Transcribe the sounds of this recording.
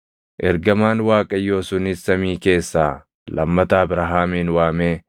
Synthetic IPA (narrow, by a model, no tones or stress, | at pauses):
ʔɛɾɡɐmaːnwaːkʼɐjːo̞ːsʊnɪsɐmiːke̞ːsːaː | lɐ̰mːɐt̪aːbɪɾɐɦaːmiːnwaːmeː